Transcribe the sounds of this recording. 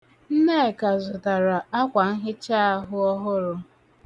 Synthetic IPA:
n̩˦ne˦˨ka˨zʊ˨ta˨ɾa˨a˦kʷa˨ŋ̩˦ɦɪ˦t͡ʃa˦a˦ɦʊ˦ɔ˦ɦʊ˦ɾʊ˨

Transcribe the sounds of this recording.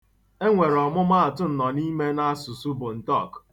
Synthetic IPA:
e˦ŋʷe˨ɾɔ˨mʊ˦ma˦a˨tʊ˦n̩˨nɔ˨ni˦me˦na˦a˦su˨su˦bʊ˨n̩˨tɔ˦˨k

